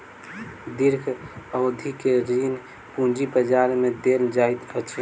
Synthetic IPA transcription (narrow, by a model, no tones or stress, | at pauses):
d̪iɾkʰəʊd̪ʱikeɾin | pũd͡ʒibəd͡ʒaɾmẽd̪eld͡ʒaːit̪ət͡ʃʰi